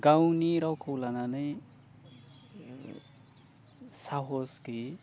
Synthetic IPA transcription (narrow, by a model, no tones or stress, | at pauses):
ɡawniɾʌwkʰowlananʌj | saɦoski